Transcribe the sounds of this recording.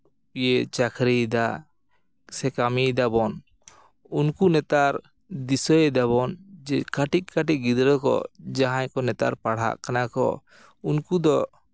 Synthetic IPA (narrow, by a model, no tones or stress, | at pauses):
ijeʔt͡ʃakʰɾid̪a | sɛkamid̪abɔn | unkunɛt̪aɾ | d̪isɔjɛd̪aβɔnkaʈic̚kaʈiʔ̚ɡid̪ɾɔkɔ̰d͡ʒaɦãɲkɔnɛt̪a̰ɾpaɽɦa̰ʔkanakɔ̰ | unkud̪ɔʔ